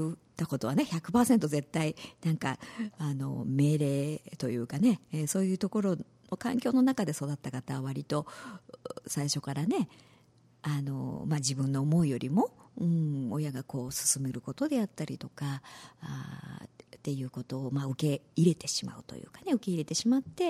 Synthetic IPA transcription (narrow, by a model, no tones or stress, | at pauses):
ɯt̪ako̞t̪o̞βane̞çakɯ̟̥paːsẽ̞nt̪o̞ze̞t̪ːainãŋka̰ano̞̰me̞ːɾe̞ːt̪o̞jɯ̟ːkane̞so̞ːjɯ̟ːt̪o̞ko̞ɾo̞ | no̞kãŋkʲo̞ːno̞nakad̪e̞so̞d̪at̪ːakat̪aβaβ̞aɾʲit̪o̞ | saiɕo̞kaɾane̞ | ano̞̰mad͡ʑibɯ̟̃nːo̞ːmo̞ijo̞ɾʲimo̞ɯ̟̃ojaɡako̞ːsɨ̥sɨme̞ɾɯ̟ko̞t̪o̞d̪e̞at̪ːaɾʲḭt̪o̞ka̰ | t̪e̞jɯ̟ːko̞t̪o̞ːmaɯ̟ke̞iɾe̞t̪e̞ɕima̰ɯ̟̰t̪o̞̰jɯ̰ːkane̞ɯ̟ke̞iɾe̞t̪e̞ɕimat̪ːe̞